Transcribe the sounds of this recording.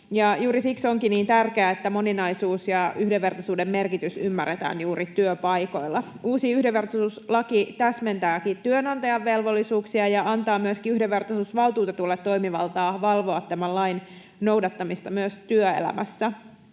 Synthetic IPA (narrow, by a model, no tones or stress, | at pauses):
jɑjuːɾisiksoŋkiniːnt̪ærkeæet̪ːæmo̞ninɑjsuːsjɑyhdeʋːe̞rt̪ɑsuːdemme̞rkit̪ysymːærːet̪æ̰ːnjuːɾit̪yøpɑjko̞ilːɑ | uːsiyhdeʋːe̞rt̪ɑsuːslɑkit̪æsment̪æːkit̪yønɑnt̪ɑjɑʋːe̞lʋo̞lːisuːksiɑjɑɑnt̪ɑːmyøskiyhdeʋːert̪ɑsuːsʋɑlt̪uːt̪ɑt̪ulːet̪ːo̞imiʋɑlt̪ɑːʋɑlʋo̞ɑt̪tæmællɑjn | no̞wdɑt̪ːɑmist̪ɑmyøst̪yøḛlæ̰mæsːæ